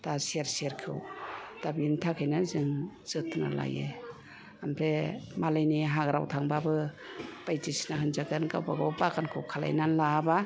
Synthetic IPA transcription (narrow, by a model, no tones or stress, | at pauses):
taseɾseɾkʰḛwd̥abintʰakʰajnazɯŋz̥ɯtʰna̰la̰jḛ | ampʰemalajniɦaɡɾa̰wtʰaŋbabɯ | pajtisnaɦɯnzaɡenkawbaɡɔwbakankʰɯwkʰala̰jnanlaba